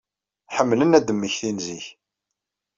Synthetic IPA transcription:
ħəmːlənæd̪əmːəçθinziç

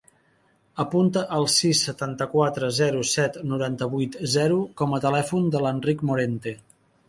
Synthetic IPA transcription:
əpunt̪əʔəlˠsisːət̪ant̪əkwat̪ɾəzɛɾusɛt̪nuɾant̪əβujt̪zɛɾukɔmət̪əlɛfund̪ələnrikmuɾent̪e

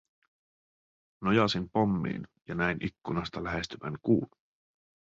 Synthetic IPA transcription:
nojɑsimpo̞mːḭːnjɑnæjnʔikːunɑst̪ɑlæɦe̞st̪yʋæ̰ŋkuːn

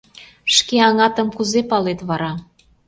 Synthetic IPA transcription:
ʃkeɑŋɑt̪ə̆mkuzepɑlet̪βɑɾɑ

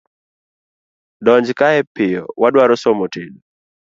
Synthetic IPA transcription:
dɔɲd͡ʒkaɛpɪjɔ̰wadwaɾɔsɔmotedu

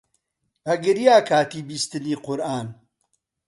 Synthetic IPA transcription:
ɐɡɨɾijaːkʰaːt̪iːbiːst̪ɨniːqʊɾaːn

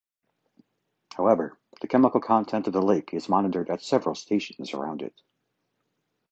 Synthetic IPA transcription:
haʊɛvə˞ðɨkʰɛməkl̩ˠkʰɑ̃ntʰɛ̃ntʌvðəleɪkʰɨzmɑnɨɾə˞ɾɨtsɛvɹl̩ˠstʰeɪʃn̩zə̰˞ã̰ʊ̃ndɨ̰t̚

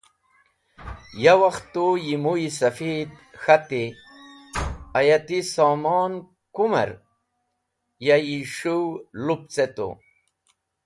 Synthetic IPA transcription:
jawɐxt̪ojimuisɐfid̪ | xat̪i | ajat̪isaːmɑːn | kumɐ̰ɾ | jajiʂuwlup̚t͡set̪o̰

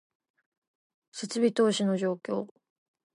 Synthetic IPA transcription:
se̞t͡sɨbʲit̪o̞ːɕino̞ʑo̞ːkʲo̞ː

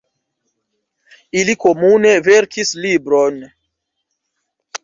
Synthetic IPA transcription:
iliko̞mune̞ve̞ɾkʰislibɾo̞n

